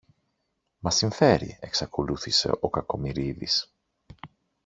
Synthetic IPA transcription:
mɐsiɱfe̞ɾḭe̞ksɐko̞luθise̞̰ʔo̞kɐko̞miɾiðis

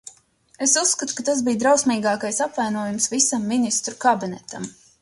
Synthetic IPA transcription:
esusːkat̪u̥kat̪asbiːd̪ɾawsmʲiːɡɑːkajsapvajnuɔjumsvisamːinist̪ɾukabinɛt̪am

